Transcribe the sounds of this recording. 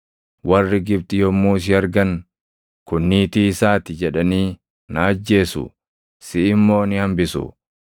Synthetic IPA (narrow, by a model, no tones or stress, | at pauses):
wɐrːɪɡɪb̚t̪ɪjɔmːuːs̬ɪɐɾɡɐn | kʊnːiːt̪iːɪsaːt̪ɪd͡ʒɛᶑɐniː | naːd͡ʒːe̞ːsʊ̰ | sɪɪmːo̞ːnɪhɐmbɪsʊ̰